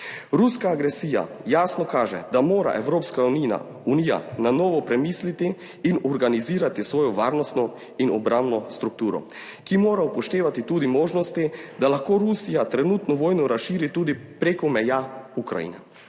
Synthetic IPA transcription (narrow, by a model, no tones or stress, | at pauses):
ɾuskaːɡɾɛsiːja̰jaːsnɔkaːʒɛ̰d̪amoːɾa̰ʔɛʋɾoːpskania̰ | unija̰nanɔːʋɔpɾɛmiːslit̪iː | nɔɾɡaniziːɾat̪isʋoːjɔʋaːɾnɔst̪nɔ | inɔbɾambnɔst̪ɾuk̚t̪uːɾɔ̰ | kimoːɾaupɔʃt̪eːʋat̪it̪uːd̪imoːʒnɔst̪id̪alaxkoːɾusijat̪ɾɛnut̪nɔʋoːjnɔɾasʃiːɾit̪uːd̪ipɾekɔmɛjaukɾa̰jḭːnɛ̰